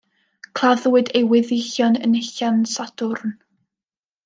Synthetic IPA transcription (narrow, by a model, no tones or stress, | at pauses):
kʰl̥ˠaðwɪdejwɪðɪɬjɔnənɪɬansadʊrn